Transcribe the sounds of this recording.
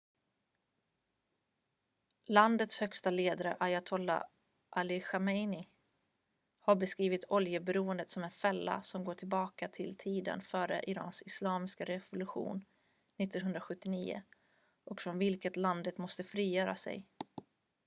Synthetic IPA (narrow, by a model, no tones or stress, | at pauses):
land̪ət̪shœkst̪aleːd̪aɾəʔajat̪ʰɔlːa̰ | ʔalɪɧamɛjnɪ | haɾbɛskɾiːvɪt̪ʰɔljəbɛɾuːənd̪ət̪sɔmɛnfɛlːa̰sɔmɡoːʈʰɪlbɑːkat̪ʰɪlt̪ʰiːd̪ə̰nfœːɾə̰ʔɪɾɑ̰ːnsɪslɑːmɪskaɾɛvʊlɵɧṵːn | nɪt̪ːɔnɦɵnd̪ɾaɧɵt̪ːɪniːʊ̰ | ʔɔkfɾɔnvɪlkət̪land̪ət̪mɔst̪əfɾiːjœːɾa̰sɛ̰j